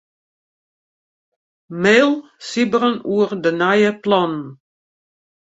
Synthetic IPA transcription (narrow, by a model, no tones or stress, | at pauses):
meːlˠsibəɾənuərdənajəplɔnn